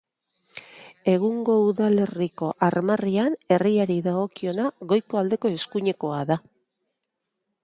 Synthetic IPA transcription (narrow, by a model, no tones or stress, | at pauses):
e̞ɣ̞uŋɡo̞uðale̞riko̞ʔaɾmariane̞riaɾiðaɣo̞kio̞naɣo̞jko̞ald̪e̞ko̞e̞skuɲe̞ko̞aða